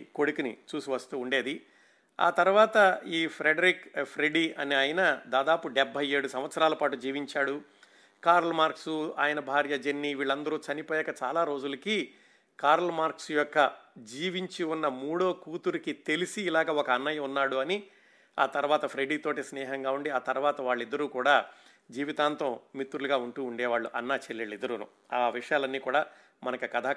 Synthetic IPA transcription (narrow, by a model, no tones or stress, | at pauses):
ko̞ɽukinḭt͡ʃuːsiʋɐst̪uːɳɖe̞ːd̪i | a̰ːt̪ɐɾuʋaːt̪ɐiːpʰɾeɖɐɾikpʰɾeɖiːʔɐniaːjɐnɐd̪aːd̪aːpuɖebʱɐje̞ːɽusɐmʋɐt̪sɐɾaːlɐpaːʈud͡ʒiːʋiɲt͡ʃaːɽu | kaːɾɐlmaːɾksua̰ːjɐnɐbʱaːɾjɐd͡ʒenːiʋiːɭɐnd̪ɐɾuːt͡ʃɐnipoːjɛkːɐt͡ʃa̰ːlaːɾo̞ːd͡ʒulɐkiː | kaːɾɐlɐmaːɾksjɔkːɐd͡ʒiːʋiɲt͡ʃiunːɐmuːɽo̞ːkuːt̪uɾikit̪e̞lisiːlaːɡɐːɔkɐːnːɐjɐmunːaːɽuɐni | a̰ːt̪ɐɾuʋaːt̪ɐpʰɾejɖiːt̪oːʈisnɛːɦɐŋɡaːuɳɖiaːt̪ɐɾuʋaːt̪ɐʋaːɭːid̪ːɐɾuːkuːɽaː | d͡ʒiːʋit̪aːnt̪ɐmmit̪ːuɾuluɡaːuɳʈuːɳɖɛːʋaːɭːuʔɐnːaːt͡ʃelːiɭid̪ɐɾunṵ | aːʋiʂɐjaːlɐnːiːkuːɽaː | mɐnɐkɐkɐd̪ʱaː